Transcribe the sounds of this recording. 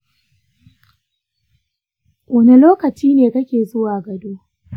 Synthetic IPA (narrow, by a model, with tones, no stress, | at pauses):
wʔɐ˦ne˦loː˦kɐ˨t͡ʃiː˦neː˨kɐ˦kʲeː˨zʊ˦waː˨ɡɐ˨duː˦